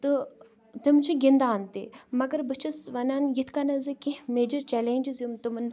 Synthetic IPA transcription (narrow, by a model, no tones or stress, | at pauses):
t̪ɨ | t̪ɨmt͡ʃʰiɡʲind̪aːnt̪ḭmɐɡɐɾbɨt͡ʃʰɐsʋɐnaːnjit̪ʰkanɐzɨkimeːd͡ʒɐɾt͡ʃɛːleːnʲd͡ʒizjumt̪umn